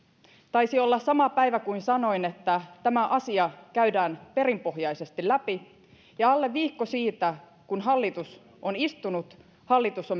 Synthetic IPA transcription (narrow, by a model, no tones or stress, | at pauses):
t̪ɑjsio̞lːɑssɑmɑpæjʋækuinsɑno̞ine̞t̪ːæt̪æmæʔɑsiɑkæydæːnpe̞ɾimpo̞ɦjɑjse̞st̪ilæpi | jɑɑlːe̞ʋːiːkːosiːt̪æ | kunɦɑlːit̪us | ʔo̞nist̪unut̪ | hɑlːit̪usom